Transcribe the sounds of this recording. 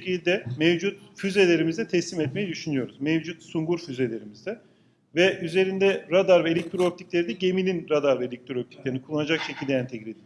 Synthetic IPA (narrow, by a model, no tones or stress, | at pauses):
ecʰilʲd̪ɛmevd͡ʒut̪̚fyze̞lʲe̞ɾimizd̪ɛt̪ʰɛslʲimɛt̪mejid̪yʃynyjo̞ɾuzmevd͡ʒut̪suŋɡuɾfyzelʲe̞ɾimizd̪ɛ | vɛʔyze̞ɾind̪ɛɾad̪aɾvɛelʲek̚t̪ʰɾop̚t̪ʰiclʲe̞ɾid̪ɛɟe̞milʲinɾad̪aɾvɛelʲec̚t̪ɾop̚t̪ʰi̥clʲeɾinikʰulˠːanad͡ʒakʃecʰilʲd̪ɛænt̪ʰeclʲed̪ʲi